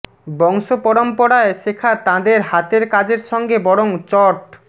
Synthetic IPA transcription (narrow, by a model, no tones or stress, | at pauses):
bɔŋʃopɔɾompoɽaeʃekʰat̪ãd̪eɾɦat̪eɾkad͡ʑeɾʃɔŋɡebɔɽoŋt͡ɕɔʈ